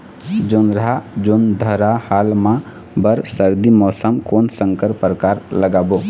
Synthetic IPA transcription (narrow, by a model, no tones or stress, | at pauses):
d͡ʒonɾad͡ʒond̪ʱəɾahaːlmã | bəɾsəɾd̪imɔːsəmkoːnsə̃ŋkəɾpəɾəkaːɾləɡaːbo